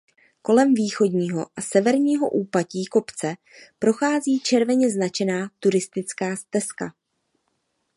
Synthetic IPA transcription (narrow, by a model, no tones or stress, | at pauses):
ko̞lɛmviːxo̞dɲiːɦo̞̰ʔasɛvɛɾɲiːɦo̞̰ʔuːpaciːko̞pt͡sɛ | pɾo̞xaːziːt͡ʃɛɾvɛɲɛznat͡ʃɛnaːt̪uɾɪst̪ɪt͡skaːst̪ɛska̰